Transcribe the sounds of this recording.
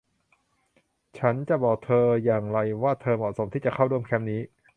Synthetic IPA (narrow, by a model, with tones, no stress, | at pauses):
t͡ɕʰa˦˥nt͡ɕa˨˩bɔː˨˩k̚t̪ʰɤː˧jaː˨˩ŋɾa˧jwaː˥˩t̪ʰɤː˧mɔ˨˩so˩˦mt̪ʰiː˥˩t͡ɕa˨˩kʰa˥˩wɾu˥˩əmkʰɛ˦˥mniː˦˥